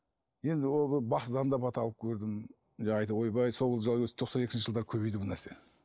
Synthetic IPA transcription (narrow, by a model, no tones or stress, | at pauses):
je̞nd̪ɪwolˠbɪbɑsd̪ɑnd̪ɑpʰɑt̪ɑlˠəp̚kʲʰɵɾd̪ɪm | ʒɑɑjt̪ɑwojbɑjsoʁəlˠʒlˠɡʲɵse̥t̪ʰo̞qsɑne̞kʲɪʃəʒlˠd̪ɑɾkʲʰɵbe̞jd̪ɪbʊnæɾse̞